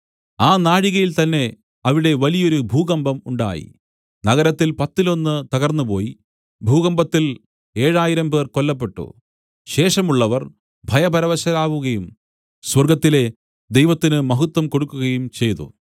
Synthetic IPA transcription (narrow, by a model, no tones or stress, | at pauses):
aːnaːɻiɣɐjilt̪ɐnːe̞ | ɐʋiɽe̞ʋɐlijo̞ɾubʱuːɣɐmbɐmuɳɖa̰ːjḭ | nɐɣɐɾɐt̪ːilpɐt̪ːilo̞nːɨt̪ɐɣɐrnːupo̞̰ːji | bʱuːɣɐmbɐt̪ːil | e̞ːɻaːjiɾɐmpe̞ːrko̞lːɐp̬ːe̞ʈːṵ | ɕe̞ːʂɐmuɭːɐʋɐr | bʱɐjɐbɐɾɐʋɐɕɐlaːʋuɣɐjum | swɐrɡɐt̪ːile̞ | d̪ejʋɐt̪ːinɨmɐɦut̪ːwɐmko̞ɽukːuɣɐjumt͡ɕe̞jt̪ṵ